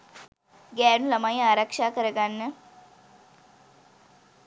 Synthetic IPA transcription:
ɡɛːnulɐmajaːɾəkʂaːkəɾəɡanːə

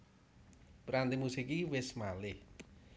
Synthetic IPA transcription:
pɾant̪imusikiwɪsmalɪh

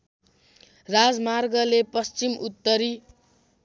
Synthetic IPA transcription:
rad͡zmarɡʌlepʌst͡simut̪ːʌɾi

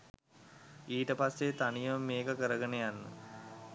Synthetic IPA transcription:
iːʈəpasːet̪anijəmːeːkəkəɾəɡənejanːə̰

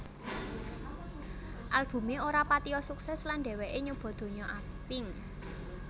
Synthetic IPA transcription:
ʔalb̥ṳmeoɾapat̪iɔsuksɛslanɖɛ̤wɛʔeɲub̥ɔ̤d̪̥o̤ɲɔʔak̚t̪ɪŋ

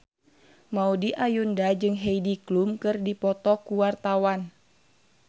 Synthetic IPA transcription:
maudiʔajundad͡ʒɨŋɦeidiklumkɨrdipɔt̪ɔkuwart̪awan

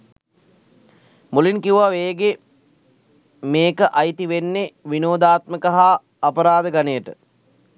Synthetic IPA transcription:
mulinkiuʋaʋeːɡe | meːkəʔajt̪iʋenːeʋinoːd̪aːt̪məkəɦaː | pəɾaːd̪əɡanəjəʈə

